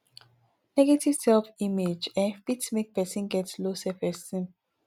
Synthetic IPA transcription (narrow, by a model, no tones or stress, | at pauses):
nɛɡetiv̥sɛlfimed͡ʒɛ̃nfitmik̚pɛsĩnɡɛtslosɛfɛsĩm